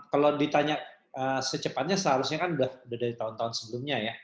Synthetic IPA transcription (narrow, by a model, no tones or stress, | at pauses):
kalodit̪aɲaʔ | əsət͡ʃəpat̪̚ɲasəɦaɾʊsɲakanudahudahdaɾit̪aunt̪aʊnsəbəlʊmɲaja